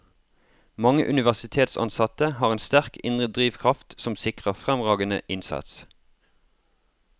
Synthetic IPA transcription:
mɑŋəʔʉnɪʋæʁsɪt̪ʰeːt̪sɑ̰nsɑt̪əhɑːʁeːnst̪æʁkɪnʁəd̪ʁiːʋkʰʁɑft̪sɔmsɪkʁəfʁɛmʁɑːɡənə̰ʔɪnsɑ̰t̪s

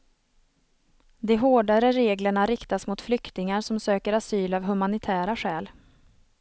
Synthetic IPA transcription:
d̪ɛɦoːɖaɾəɾeːɡləɳaɾɪkt̪asmʊt̪flʏkt̪ɪŋaɾʂɔmsøːkəɾasyːlavɦɵmanɪt̪ʰæːɾaɧɛːl

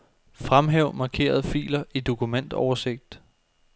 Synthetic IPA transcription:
fʁamɦeʊ̰mɑ̈ːkʰe̝̰ːɐð̞ˠfḭːlɐʔid̥o̝kʰumen̰d̥ɒʊɐse̝ɡ̥̚d̥

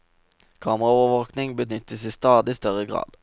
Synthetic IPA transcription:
kʰɑːmʁɑoːʋəʋoːknɪŋbənʏt̪əsiːst̪ɑːd̪ɪst̪œʁəɡʁɑ̰ːd̪̥

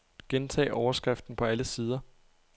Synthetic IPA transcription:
ɡ̥ent͡sʰɛ̰ːʔɒʊɐsɡ̥ʁɛfd̥n̩pʰɒ̽æləsiːð̞ˠɐ

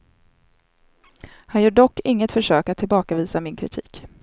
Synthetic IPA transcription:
hanjœːɖɔkːɪŋːət̪fœʂøːkat̪ʰːɪlbɑːkaviːsamɪnkʰɾɪ̰t̪ʰḭːk

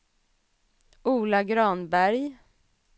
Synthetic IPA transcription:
uːlaɡɾɑːnbæɾj

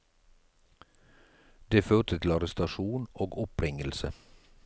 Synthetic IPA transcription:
d̪eːføːʁt̪ət̪ʰl̩ɑɾɛst̪ɑʃuːnoːɡʊpʰɾɪŋəlsə

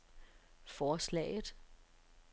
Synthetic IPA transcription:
fɒːslɛ̰ɪð̩ˠ

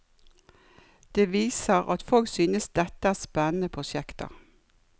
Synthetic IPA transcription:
d̪̥eːʋiːsəʁɑ̰t̪fɔlksyːnəsd̪ɛt̪əæːspɛnn̩əpʰʁʊʃjɛkt̪ə̰

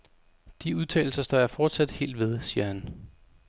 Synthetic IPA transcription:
d̥iuðˠt͡sʰɛ̰ːl̩sɐsd̥ɒ̰ːjɑfɒːd̥sæd̥he̝̰ːld̥ʋe̝ð̞ˠsiːɐhæn

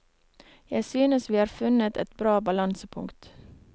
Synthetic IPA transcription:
jæɪsyːnəsʋiːhɑːɾfʉnət̪ɛt̪bɾɑːbɑlɑnsəpʰʊ̰ŋkt̪

